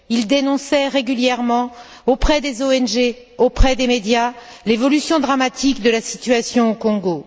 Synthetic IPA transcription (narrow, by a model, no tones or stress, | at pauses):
ild̪enɔ̃sɛʁeɡʲyljɛʁmɑ̃ | opχɛd̪ezoɛnʒe | opχɛd̪emed̪jalevɔlysjɔ̃d̪ʁamat̪ʰikd̪əlasit̪ɥasjɔ̃okɔ̃ɡo